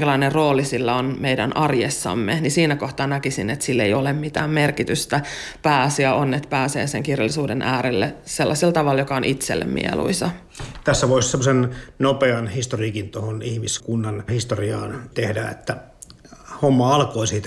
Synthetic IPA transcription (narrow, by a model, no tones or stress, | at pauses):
kælɑinerroːlisilːæonmeidæ̰nʔɑrjesːɑ̰mːenisiːnækoht̪ɑːnækisinet̪silːeijolemmit̪æːmmerkit̪yst̪æ | pæːsiæʔonːet̪pæːsḛːseŋkirjɑlːisuːdenʔæːɾelːeselːɑsilt̪ɑʋɑljokɑonʔit̪sḛlːḛmmʔḭḛlṵisɑ | t̪æsːæʋoissemːosennopeɑnhist̪orikint̪ohonihmiskunːɑnhist̪oriɑːnt̪ehdæḛt̪ːæ | homːɑɑlkoisiːt̪